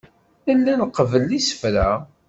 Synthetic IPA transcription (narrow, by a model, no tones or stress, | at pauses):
əlːænqəvəlːisə̥fɾæ